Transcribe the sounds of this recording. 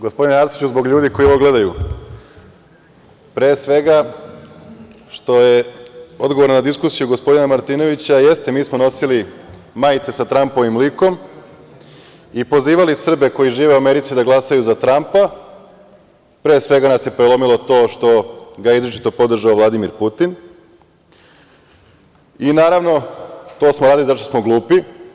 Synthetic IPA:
ɡo̞spo̞d̪inaɾsi̥t͡ɕuzbo̞ɡʎuːd̪iko̞jioʋoɡle̞d̪aju | pɾeːsʋe̞ɡa | ʃt̪o̞je̞o̞d̪ɡo̞ʋoɾnonad̪iskusijuɡo̞spo̞d̪inamaɾt̪iːno̞ʋit͡ɕaje̞st̪e̞miːsmo̞no̞sili | majt̪se̞sat̪ɾampo̞ʋimliko̞m | ipo̞ziːʋalisr̩be̞ko̞jiʒiːʋeuame̞ɾit̪sid̪aɡlˠasajuzat̪ɾampa | pɾeːsʋe̞ɡanasje̞pɾelomilˠo̞t̪o̞ːʃt̪o̞ɡaeizɾet͡ʃi̥t̪o̞po̞d̪r̩ʒaoʋlˠad̪imiɾput̪in | inaːɾaʋno̞t̪o̞ːsmoɾaːd̪ilizaʃt̪osmo̞ɡlˠuːpi

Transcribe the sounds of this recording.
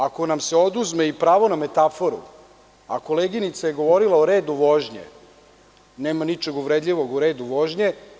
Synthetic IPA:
ako̞namse̞o̞d̪uzmeipɾaːʋo̞name̞t̪afo̞ɾṵ | a̰ko̞leɡinit̪saje̞ɡo̞ʋo̞ɾilˠaoɾeːd̪uʋo̞ʒɲḛ | neːmanit͡ʃe̞ɡuʋɾed̪ʎʲiʋo̞ɡuɾe̞ːd̪uʋo̞ʒɲe

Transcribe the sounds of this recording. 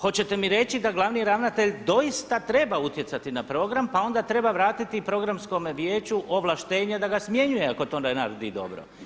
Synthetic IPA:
xo̞t͡ɕe̞t̪e̞miɾe̞t͡ɕid̪aɡlˠaʋniɾaʋnat̪e̞ʎd̪o̞jist̪at̪ɾe̞baut̪je̞t̪sat̪inapɾo̞ɡɾampao̞nd̪at̪ɾe̞baʋɾaːt̪it̪ipɾo̞ɡɾamsko̞mʋjeːt͡ɕuʔo̞ʋlaʃt̪e̞ːɲed̪aɡasmje̞ɲujeako̞t̪ond̪anaɾd̪id̪o̞̰bɾo̰

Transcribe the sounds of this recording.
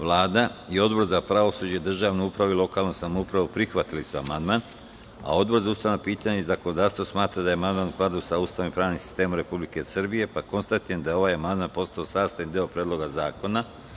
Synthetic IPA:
ʋlˠaːd̪aio̞d̪bo̞ɾzapɾaʋo̞sud͡ʑed̪r̩ʒaːʋnuupɾaʋuilˠo̞kaːlˠnusamoupɾaʋupɾixʋat̪ilisua̰mand̪man | a̰o̞d̪bo̞ɾzaust̪aʋnopiːt̪aɲeizakono̞d̪aːst̪o̞smaːt̪ɾad̪ajeamand̪maːnplˠad̪osaust̪aːnimpɾaːʋnimsi̥st̪e̞ːmumɾe̞publike̞srbije̞pako̞nst̪at̪iɾend̪ajeo̞ʋajamand̪manpo̞st̪aosaːst̪ajind̪iopɾed̪lo̞ɡazaːko̞na

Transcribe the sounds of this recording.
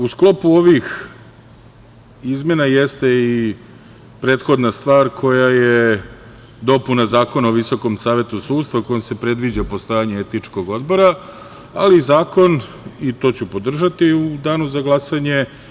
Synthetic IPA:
usklo̞puo̞ʋix | izmje̞najest̪e̞i | pɾe̞ːt̪xo̞d̪nast̪ʋaːɾkʰo̞jaje | d̪o̞punazaːko̞naoʋiso̞ko̞msaːʋe̞t̪usuːd̪st̪ʋako̞jomse̞pɾe̞d̪ʋid͡ʑapo̞st̪o̞jaɲeet̪nit͡ʂko̞ɡo̞d̪bo̞ɾa | alizaːko̞n | it̪o̞t͡ɕupo̞d̪r̩ʒat̪iud̪aːnuzaɡlˠasaɲe̞

